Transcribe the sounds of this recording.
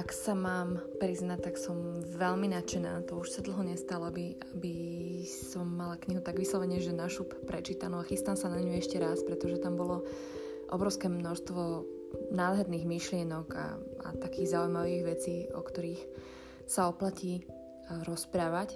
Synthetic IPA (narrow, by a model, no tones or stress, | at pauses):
aksamaːmpɾiznat̪aksɔmʋɛʎminat͡ʃɛnaːt̪ɔuʃsad̪l̩ɦɔɲɛst̪alɔabi | abi | sɔmːalakɲiɦut̪aɡʋislɔʋɛɲɛʒɛnaʃuːppɾɛt͡ʃiːt̪anɔaxist̪amsanaɲuɛʃcɛɾaspɾɛt̪ɔʒɛt̪ambɔlɔ | ʔɔ̰bɾɔʊskɛːmnɔʃst̪ʋɔ | naːd̪ɦɛɾniːɣmiʃlɪɛnɔɡa̰a̰t̪akiːɣzaujmaʋiːɣʋɛt͡siːɔ̰kt̪ɔɾiːx | saɔplaciː | ɾɔspɾaːʋac